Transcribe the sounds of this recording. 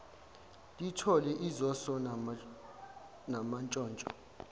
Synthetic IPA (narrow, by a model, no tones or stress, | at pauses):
tʼitʰɔlɛʔizɔsɔ | namant͡ʃʼɔːnt͡ʃʼɔ